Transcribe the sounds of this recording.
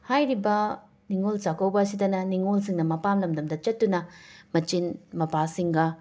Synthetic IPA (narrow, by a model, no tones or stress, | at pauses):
hajɾibɐ | niŋolt͡ʃakʰɐwbɐːsidɐnɐniŋols̬iŋnɐmɐpamlɐmdɐmdɐt͡ʃɐtːunɐmɐt͡ʃinmɐpasiŋɡɐ